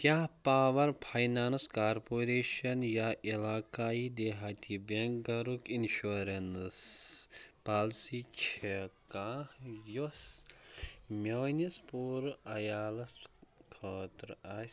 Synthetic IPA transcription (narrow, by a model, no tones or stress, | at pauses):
kʲjaːɦpaːʋɐɾpʰajnaːnskaːɾpoːɾeːʃɐnjaːʔilaːkaːid̪eːɦaːt̪ʰibeŋk̚ɡɐɾukinʃuɾens | paːlsit͡ʃʰekãːhjus | mʲoːnispuːɾɐjaːlɐskʰoːt̪ɾaːs